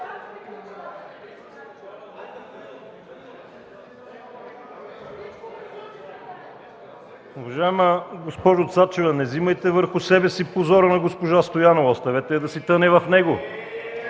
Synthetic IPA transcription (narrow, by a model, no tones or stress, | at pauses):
uvɐʒaɛməɡospɔʒot̪sat͡ʃɛvɐnɛzimɐjt̪ɛvəɾxʊsɛbɛsipozɔɾənɐɡospoʒast̪ojanovɔst̪ɐvɛt̪ɛɛd̪ɐsit̪ɤnɛvɐfnɛɡo